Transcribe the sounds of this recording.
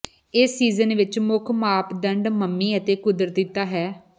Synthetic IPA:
ɪːsiːzənʋɪt͡ʃmʊkʰmaːpd̪əɳɖməmːiːət̪eːkʊd̪ɾət̪d̪ɪt̪ːaːɦɛː

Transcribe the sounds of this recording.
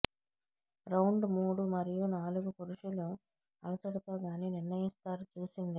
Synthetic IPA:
ɾɐwɳɖmuːɽumɐɾijunaːluɡukuɾuʃulu | ɐ̰lɐsɐɽɐt̪oːɡaːniːnɪɾnɐjist̪aːɾut͡ʃuːsind̪i

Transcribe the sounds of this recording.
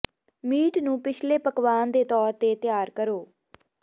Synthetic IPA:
miːʈnũːpɪt͡ʃʰleːpəkʋaːnd̪eːt̪ɔːɾt̪eːt̪ɪjaːɾkəɾoː

